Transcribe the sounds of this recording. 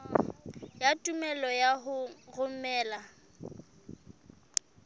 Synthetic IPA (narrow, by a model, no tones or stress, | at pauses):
jatʼumɛlɔjaɦʊrʊmɛːla